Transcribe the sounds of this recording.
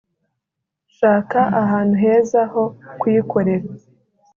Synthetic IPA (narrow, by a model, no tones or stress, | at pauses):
ʃaːkaʔaɦaːn̥huɦe̞ːzaho̞kwjikʰo̞ɾe̞ɾa